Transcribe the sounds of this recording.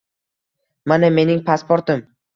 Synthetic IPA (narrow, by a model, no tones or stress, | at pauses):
maname̞nɪŋpʰaspoɾt̪ɪm